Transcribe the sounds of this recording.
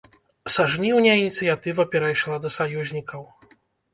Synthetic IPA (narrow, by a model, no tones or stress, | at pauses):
saʐnʲiwnʲainʲit̪sɨjat̪ɨvɐpʲɛɾajʂlˠad̪ɐsajuzʲnʲikɐw